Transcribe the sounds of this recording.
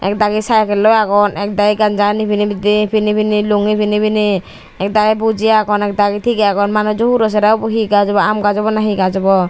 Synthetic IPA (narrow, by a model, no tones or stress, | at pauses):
ɛ̰k̚d̪aɡisajkɛlːɔaɡɔnɛk̚d̪aɡiɡand͡ʒanipʰinibid̪ipʰinipiniluŋipʰinipini | ɛk̚d̪aɡibud͡ʒijakɔnɛk̚d̪aɡit̪ʰikɛaɡɔnmanɔd͡ʒɔɦuɾɔs̬ɛɾabɔɦiɡad͡ʒɔbɔamɡad͡ʒɔbɔnaɦiɡad͡ʒɔbɔ